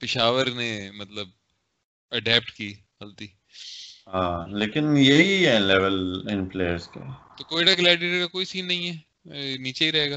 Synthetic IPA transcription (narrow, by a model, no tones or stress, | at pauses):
pɪʃaːʋəɾneːmɐt̪ləb̚ | əɖɛːp̚ʈkiː | əlt̪iː | ɦãːleːkɪnjeiɦɛlɛːʋəlɪ̃npleːəɾskḛt̪oːkoːiɽakɪlaːɖiɾekakoːisiːnːɐɦĩɦɛː | niːt͡ʃeiːɾɛɦeːɡaː